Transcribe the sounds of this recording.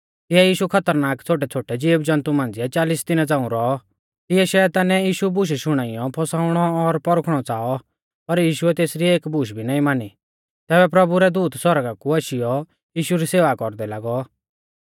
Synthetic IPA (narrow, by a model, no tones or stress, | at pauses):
t̪ɪɛjiːʃukʰɐt̪əɾnaːkt͡sʰoːʈ̬ɛt͡sʰoːʈɛd͡ʒiːbd͡ʒɐ̃nt̪umãːnd͡zɪɛt͡ʃaːlisd̪ɪnad͡zãːũɾɔɔ | t̪ɪɛʃɛt̪anɛjiːʃubʊʃ̬ʃʊɽ̃aːɪjɔpʰɔsaːʊɽ̃ɔːɾpɔɾkʰɽ̃ɔt͡saːɔ | pɐɾjiːʃuɛt̪eːsɾieːkbʊʃ̬bʱinaːĩmaːni | t̪ɛːbɛpɾɐbuɾɛd̪uːt̪sɔɾɡakuɐʃɪjɔ | jiːʃuɾiseːʋakɔɾd̪ɛlaːɡɔ